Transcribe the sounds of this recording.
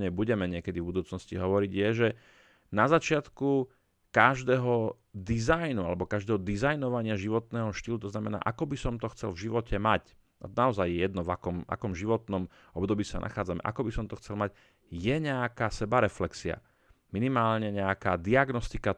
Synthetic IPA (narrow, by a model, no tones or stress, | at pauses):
ɲɛbuɟɛmɛɲɪɛkɛd̪ivbud̪uːt͡snɔscḭɦɔʋɔɾiɟjɛʒɛ | nazat͡ʃɪat̪ku | kaʒd̪ɛːɦɔ | d̪izajnualɛbɔkaʒd̪ɛːɦɔd̪izajnɔʋaɲɪaʒiʋɔt̪nɛːɦɔʃt̪iːlut̪ɔznamɛna̰ːʔakɔbisɔmt̪ɔxt͡sɛ̰lvʒiʋɔcʰɛmac | at̪naɔzajːɛjɛd̪nɔvakɔma̰kɔmʒiʋɔt̪nɔm | ɔbd̪ɔbiːsa̰nʔa̰xaːd͡zamɛ̰ʔa̰kɔbisɔmt̪ɔxt͡sɛlmaɟ | jɛɲɛakaːsɛbaɾɛflɛksia̰ | minimaːlɲɛɲɛakaːd̪iaɡnɔst̪ika